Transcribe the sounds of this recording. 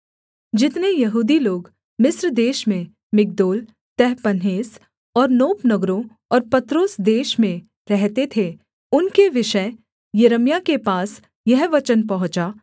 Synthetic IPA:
d͡ʒɪt̪nejɐɦuːd̪iloːɡ | mɪsɾd̪eːʃmẽ | mɪk̚d̪oːl | t̪ɛɦpɐnɦeːs | ɔːɾnoːpnɐɡɾõ | ɔːɾpɐt̪ɾoːsd̪eːʃmẽ | ɾɛɦt̪et̪ʰe | ʊnkeʋɪʃə | jɐɾəmjakepaːs | jɛɦʋɐt͡ʃənpɐɦʊ̃t͡ʃaː

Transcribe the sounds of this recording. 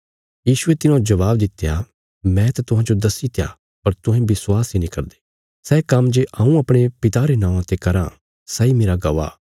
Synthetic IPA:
jiːsʊet̪ɪnãd͡ʒɐʋaːbd̪ɪt̪ːeja̰ | mɛ̃t̪at̪ʊɦãːd͡ʒod̪ɐsit̪ja̰ | pɐɾt̪ʊ̃ɦɛ̃bɪswaːsinĩkɐɾd̪e | sɛːkɐmd͡ʒeʔʔɐ̃ũɐpɽ̃epɪt̪aɾenãːãt̪ekɐɾã̰ | sɛimeːɾaɡɐʋa̰ː

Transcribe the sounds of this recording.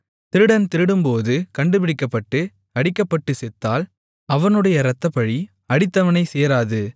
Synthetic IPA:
t̪ɪɾɯɽɐnt̪ɪɾɯɽɯmpoːðɯkɐɳɖɯpɪɽɪkːɐpːɐʈːɯ | ɐɽɪkːɐpːɐʈːɯsɛt̪ːaːl | ɐʋɐnɯɽɐjɐɾɐt̪ːɐpːɐɻi | ɐɽɪt̪ːɐʋɐnɐɪseːɾaːðɯ

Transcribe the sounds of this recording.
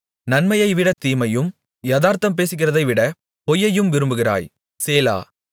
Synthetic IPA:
nɐnmɐjɐɪʋɪɽɐt̪iːmɐjɯm | jɐðaːɾt̪ɐmp̬eːsɪk̬ːɪrɐðɐɪʋɪɽɐ | pɔjːɐjɯmʋɪɾɯmbɯɣɪɾa̰ːj | seːla̰ː

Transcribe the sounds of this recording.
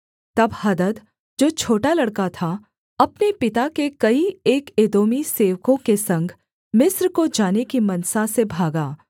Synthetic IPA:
t̪ɐbhɐd̪əd̪ | d͡ʒoːt͡ʃʰoːʈalɐɽkat̪ʰa | ɐpnepɪt̪akekɐieːkeːd̪oːmiseːʋkõkesɐ̃ŋɡʱ | mɪsɾkod͡ʒaːnekimɐnsasebʱaːɡaː

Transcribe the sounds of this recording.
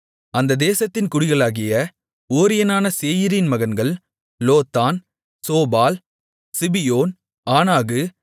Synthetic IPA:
ɐnd̪ɐd̪eːsɐt̪ːɪnkʊɽɪɣɐɭaːɣɪjɐ | oːɾɪjɐnaːnɐseːjɪɾinmɐɣɐnɡɐɭ | loːt̪ːaːn | soːbaːl | sɪbɪjoːn | aːnaːɣɯ

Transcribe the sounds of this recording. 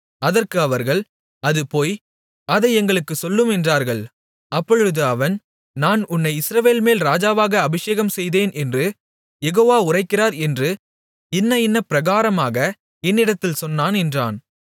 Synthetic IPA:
ɐðɐrkɯɐʋɐɾɣɐɭ | ɐðɯpoːj | ɐðɐɪɛŋɡɐɭɯkːɯsɔlːɯmɛndraːɾɣɐɭ | ɐpːɔɻɯðɯɐʋɐn | naːnʊnːɐɪɪsɾɐʋeːlmeːlɾaːd͡ʒaːʋaːɣɐːbɪʂeːɣɐmsɛjðeːnʔɛndrɯ | jɛɣoːʋaːʊrɐɪkːɪraːɾɛndrɯ | ɪnːɐɪnːɐpɪɾɐɣaːɾɐmaːɣɐ | ɛnːɪɽɐt̪ːɪlsɔnːaːnɛndra̰ːn

